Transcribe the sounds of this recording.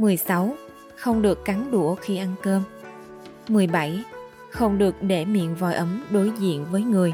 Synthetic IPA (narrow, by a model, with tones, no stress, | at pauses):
mɨ˨˩əjsa˨˦w | xə˧wŋ͡mɗɨ˨˩əkːa˨˦nɗu˧˩əxi˧ʔa˧nkəː˧m | mɨ˨˩əjɓa˧˩j | xə˧wŋ͡mɗɨ˨˩ək̚ɗe˧˩mḭ˧˨ənvɔ̰˨˩jʔə˨˦mɗo˨˦jzḭ˧˨ənvəː˨˦jŋɨ˨˩əj